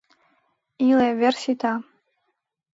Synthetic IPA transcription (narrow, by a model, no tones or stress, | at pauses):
ilavʲersit̪ʰa